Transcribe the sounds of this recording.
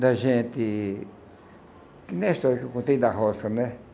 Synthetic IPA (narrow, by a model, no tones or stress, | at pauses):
d̪aʒẽt̪i | kinẽʃt̪okukũt̪ĩnd̪aɦosanẽ